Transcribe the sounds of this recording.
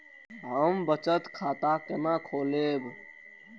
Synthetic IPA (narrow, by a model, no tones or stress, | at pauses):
ɦəmbət͡ʃət̪kʰaːt̪akenãːkʰoːleːb